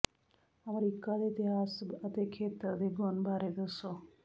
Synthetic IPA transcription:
əmɾikad̪et̪iɦasət̪ekʰet̪əɾd̪eɡɔnbʱaɾed̪əso

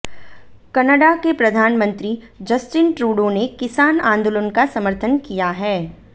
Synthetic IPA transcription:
kɐnəɖakepɾɐd̪ʱaːnmə̃nt̪ɾi | d͡ʒɐsʈɪnʈɾuːɖonekɪsaːnãːnd̪oːlənkasɐməɾt̪ʰənkijaɦɛː

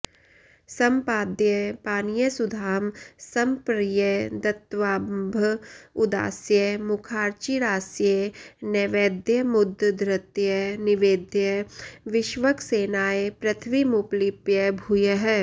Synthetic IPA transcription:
sɐmpaːd̪jəpaːnijəsʊd̪ʱaːmsɐmpɾijəd̪ɐt̪ʋaːbʱʊd̪a̰ːsjəmʊkʰaːɾt͡ʃiɾaːsjenɛːʋeːd̪jəmʊd̪ʱːd̪ɾət̪jənɪʋeːd̪jəʋɪʃʋəkseːnaːepɾɐt̪ʰʋimʊplipjəbʱujəɦɛː

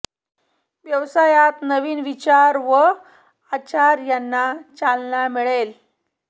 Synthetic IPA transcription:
ʋjəʋsajat̪nəʋiːnʋit͡ɕaɾʋə | at͡ɕaɾjanːat͡ɕalnamiɭel

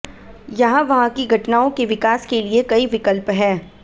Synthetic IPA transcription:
jɐɦãʋɐɦãkiɡʱɐʈnaːõkeʋɪkaːskeliekɐiʋɪkəlpɦɛː

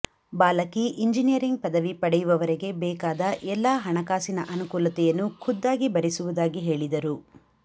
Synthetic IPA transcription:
baːlɐkiʔiɲd͡ʒinijɐɾiŋɡ̚pɐd̪ɐʋipɐɽɛjuʋɐʋɐɾeɡe̞bɛːkaːd̪ɐʔɛlːaːɦɐɳɐkaːsinɐʔɐnukuːlɐt̪ɛjɐnːukʰud̪ːaːɡibɐɾisuʋud̪aːɡiɦe̞ːɭid̪ɐɾu

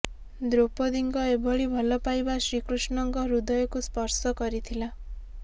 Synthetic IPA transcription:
d̪ɾopod̪iŋkɔebʱɔɭibʱɔlɔpajbasɾikɾusnɔŋkɔɾud̪ɔjɔkuspɔɾsɔkɔɾit̪ʰila

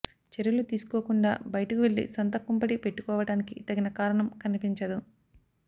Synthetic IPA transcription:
t͡ʃeɾjulut̪iːsu̥koɔːkuɳɖa̰ːbɐjɐʈɐkuʋeɭd̪ḭsɐnt̪ɐkːumpɐʈipe̞ʈːukɔːʋɐɽaːnikit̪ɐɡinɐkaːɾɐɳɐmkɐnipiɲt͡ʃɐd̪u

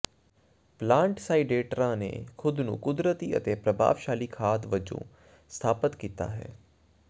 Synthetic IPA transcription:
plãːɳʈsaːiɖeːʈɾãːnḛːkʰʊd̪nṵ̃ːkʊd̪ɾət̪iːə̰t̪eːpɾəbʱa̰ːʋʃaːliːkʰaːt̪ʋəd͡ʒõ̰ː | st̪ʰaːpət̪kiːt̪a̰ːɦɛ̰ː

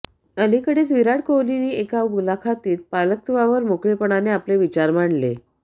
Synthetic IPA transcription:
əlikəɽet͡sʋiɾaɽkowliniːekawbulakʰat̪iːt̪̚palək̚t̪ʋaʋəɾmokɭepəɳ̃aneapleʋit͡ɕaɾmaɳlḛ

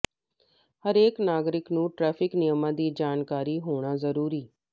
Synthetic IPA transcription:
həɾeːknaːɡɾɪknũːʈɾɛːpʰɪknɪjəmãːd̪iːd͡ʒaːnkaːɾiːɦoːɽ̃aːzəɾuːɾiː

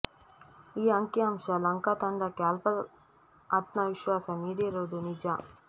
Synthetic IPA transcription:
iːɐŋkjɐːmʃɐlɐŋkat̪ɐɳɖɐkaːlpɐ | aːt̪̚nɐʋiʃʋaːsɐniːɽiɾoːd̪unid͡ʒa

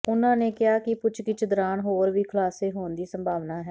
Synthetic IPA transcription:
ʊnãːneːkɪɦaːkɪpʊt͡ʃʰkɪt͡ʃd̪əɾaːnɦoːɾʋiːkʰəlaːseːɦoːnd̪iːsəmbʱaːʋnaːɦɛː

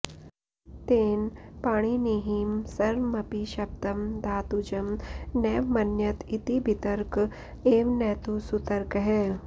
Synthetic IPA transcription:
t̪eːnpaːɽ̃iniɦimsɐɾmɐpiʃɐp̚t̪ɐmd̪aːt̪ud͡ʒɐmnɛːʋmɐnjət̪it̪ibʱit̪əɾk | eːʋnɛːt̪usut̪əɾkɦɛ̃ː

